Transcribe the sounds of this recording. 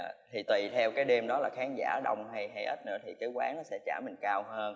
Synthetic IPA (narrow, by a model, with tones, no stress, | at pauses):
t̪ʰi˨˩t̪wi˨˩t̪ʰɛ˧wkaː˨˦jɗe˧mɗɔ˨˦laː˨˩xaː˨˦ŋza̰ː˧˩ɗə˧wŋ͡mɦa˧jɦa˧jʔə˦˥t̚nɨ̰˧˥ət̪ʰi˨˩kaː˨˦jkwa̰ː˨˦˥ŋnɔ˨˦sɛ̰˧˥t͡ɕaː˧˩mï˨˩ŋ̟kaː˧whəː˧n